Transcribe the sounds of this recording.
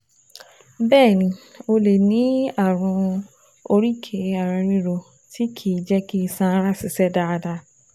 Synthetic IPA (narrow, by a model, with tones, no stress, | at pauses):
bɛː˦˨nĩ˧o˧le˨nĩ˨˦a˦˨ɾ̃ũ˧ | o˧ɾi˦kʰe˧a˨ɾa˧ɾĩ˧˦ɾo˧ | ti˦kʰi˨d͡ʒɛ˦ki˦˧sã˧˦ɾa˦˨si˨sɛ˦da˧da˧